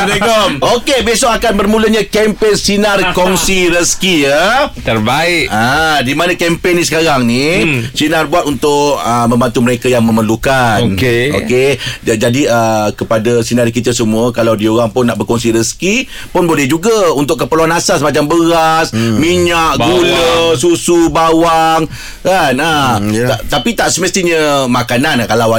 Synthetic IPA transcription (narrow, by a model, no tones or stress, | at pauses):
nɡɔmokebesɔʔakanbərmuləɲãkɛmpensinarkɔŋsiɾəskijət̪ərbaɪʔadimanãkɛmpenisə̥kaɾaŋnisinarbuat̪unt̪ʊʔəmə̃mbant̪uməɾekajaŋmə̃məlukaonkeo̰ked͡ʒadiəkəpadasinaɾikit̪əsəmuəkalawdioɾaŋpʊnːaʔbərkɔnsiɾəski | pʊnbolɛhd͡ʒuɡaunt̪ʊʔk̬ːəpərluanasasəmat͡ʃambəɣasmiɲaʔɡuləsusubawaŋ | kanaat̪apit̪aʔsəməst̪iɲəmakanankalawa